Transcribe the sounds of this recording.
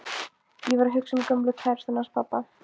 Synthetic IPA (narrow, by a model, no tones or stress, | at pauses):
jɛvaɾɦʏksʏmkœmplʏkʰvɛɾ̥sanaspʰapːa